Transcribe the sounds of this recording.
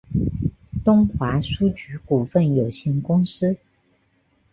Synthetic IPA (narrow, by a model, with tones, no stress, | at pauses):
t̪ʊ˥ŋxwa˧˥su˥t͡ɕy˧˥ku˨˩fə˥˩njo˨˩ʊɕi˧˥˩nkʊ˥ŋsɹ̩˥